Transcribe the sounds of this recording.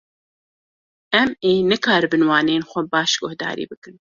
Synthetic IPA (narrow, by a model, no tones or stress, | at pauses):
ɛmeːnɨkʰɑːɾɨbɨnwɑːneːnxʷɛbɑːʃɡʊhd̪ɑ̰ːɾḭːbɨkɨn